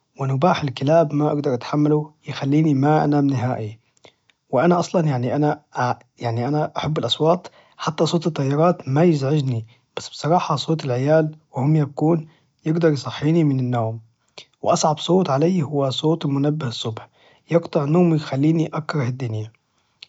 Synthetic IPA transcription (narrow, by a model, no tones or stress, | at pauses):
wɪnʊbaːħɪlkɪlaːbmaʔɑ̰ɡd̪ɑɾˤʔat̪ħamːalujɪxalːiːnimaʔa̰naːmnɪɦaːʔi | wɪʔanaʔɑsˤlɑnjaʕniʔanaʔ | jaʕniʔanaʔaħabːɪlʔɑsˤwɑːt̪ˤ | ħat̪ːasˤoːt̪ɨt̪ˤːɑjːɑɾˤɑːt̪majɪzʕɪd͡ʒni | b̥asːb̥sˤɑɾˤɑːħɑsˤoːt̪ˤɪlʕɪjaːlwɪhʊmjabkuːn | jɪɡd̪ɑɾjsˤɑħːiːnimɪnɪnːoːm | wɪʔɑsˤʕɑbsˤoːt̪ˤʕalajːhʊwːasˤoːt̪ˤɪlmʊnabːɪhsˤːʊbħ | jɑɡt̪ˤɨʕnoːmjxalːiːniʔakɾˤɑhɪd̪ːʊnja